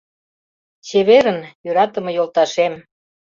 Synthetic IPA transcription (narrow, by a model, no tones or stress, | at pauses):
t͡ɕeβeɾənjøɾɑt̪ə̆mɤ̆jolt̪ɑʃem